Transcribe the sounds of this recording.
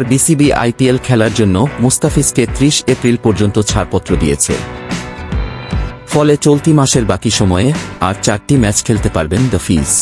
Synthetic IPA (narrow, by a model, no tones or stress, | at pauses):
aɾbisibiʔa̰jpielkʰɛlaɾd͡ʑonːomust̪afisket̪ɾiʃepɾilpɔɾd͡ʑont̪ot͡ɕʰaɾpɔt̪ːɾod̪ijḛt͡ɕʰḛ | fɔlet͡ɕolt̪imaʃeɾbakiʃɔmɔea̰ɾt͡ɕaɾʈimɛt͡ɕkʰelt̪epaɾbend̪əfis